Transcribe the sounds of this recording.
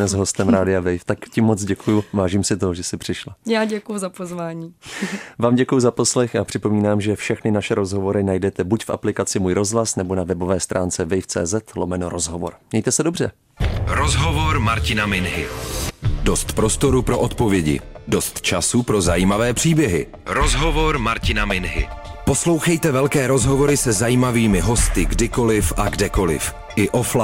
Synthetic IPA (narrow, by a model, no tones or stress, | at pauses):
nɛzɦo̞st̪ɛmɾaːdɪavɛjft̪akcɪmːo̞t͡sɟɛkujʊvaːʒiːmsɪt̪oʒɛsɪpr̝̥ɪʃlajaːɟɛkʊjʊzapozvaːɲiːvaːmɟɛkujuzapo̞slɛxapr̝̥ɪpo̞miːnaːmʒɛfʃɛxnɪnaʃɛɾo̞zɦo̞vo̞ɾɪnajdɛt̪ɛbucfʔa̰plɪkat͡sɪmuːjɾo̞zɦlasnɛbo̞navɛbo̞vɛːst̪ɾʔaːnt͡sɛvɛjft͡sɛ̰ːzɛt̪lo̞mɛnoɾo̞zɦo̞vo̞̰ɾɟɛjt̪ɛsɛdobr̝ɛ | ɾozɦovoɾmaɾcɪnamɪnɦɪ̰ | do̞st̪pɾo̞st̪o̞ɾupɾo̞ʔot̪povjɛɟɪ̰do̞st̪t͡ʃasupɾo̞zajiːmavɛːpr̝̥iːbjɛɦɪ̰ | ɾozɦovoɾmaɾcɪnamɪnɦɪ̰po̞slo̞wxɛjt̪ɛvɛlkɛːɾo̞zɦo̞vo̞ɾɪsɛzajiːmaviːmɪɦo̞st̪ɪɡdɪko̞lɪfʔaɡdɛko̞lɪ̰f | ʔɪʔofla